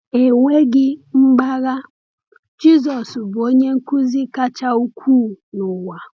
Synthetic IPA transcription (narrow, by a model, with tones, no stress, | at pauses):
e˨ŋʷe˦ɡɪ˦ŋ͡m̩˦ɡ͡ba˦ɣa˦ | d͡ʒi˦zɔ˨sbʊ˨o˦ɲe˦ŋ̩˦ku˦zi˦ka˦t͡ʃa˦u˦kʷʰuː˦˨nʊ˨wa˨